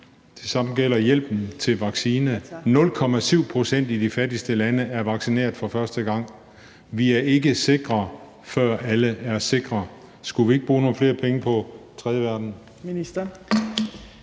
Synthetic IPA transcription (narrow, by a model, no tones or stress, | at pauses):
d̥ʰe̝sɑ̈m̰n̩ɡ̥el̰ɐjel̰b̥n̩t͡sʰe̝lʋɑ̈ɡ̥siːnənɔ̽lkʰɒ̽mæsyʊ̰pʰʁo̝sen̰d̥id̥ifædisd̥əlænəʔæɐʋɑ̈ɡ̥sine̝̰ːɐðˠfɒ̽fɶɐsd̥əɡ̥ɑ̈ŋ̰ | ʋiæɐe̝ɡ̥əse̝ɡ̥ʁɐ | fɶɐ̰æləæɐse̝ɡ̥ʁɐ | sɡ̥uʋie̝ɡ̥̚b̥ʁuːno̝ːn̩fle̝ːɐpʰeŋəpʰɒ̽t͡sʰʁɛːðˠəʋæɐd̥n̩̥